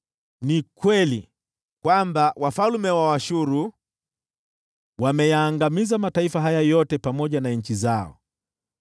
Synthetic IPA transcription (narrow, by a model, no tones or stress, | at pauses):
nikwɛli | kwambawafalmɛwawaʃuɾu | wamɛjaːŋɡamizamataifaɦajajɔtɛpamɔʄanaɲ̩t͡ʃizaɔ̰